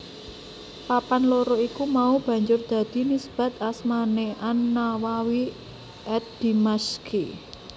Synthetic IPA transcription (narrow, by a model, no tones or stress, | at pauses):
papanloɾoikumaub̥ä̤ɲd͡ʒʊrd̪̥a̤d̪̥i̤nisb̥a̤t̪̚asmaneʔanːawawi | ʔɛt̪̚d̪̥imaskʰi